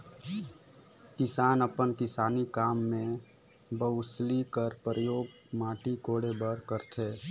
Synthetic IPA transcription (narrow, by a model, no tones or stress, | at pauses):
kɪsaːnəpənkɪsaːnikaːmːẽ | bəʊslikəɾpɾəjoːɡ | maːʈikoːɽebəɾkəɾt̪ʰeː